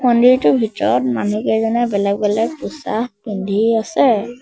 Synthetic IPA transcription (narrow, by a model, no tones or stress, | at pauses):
mɔndiɹtʊbʱitɔɹɔt̚manukɛzɔnɛbɛlɛk̚bɛlɛk̚pɔsa̰xbɔndʱiasɛ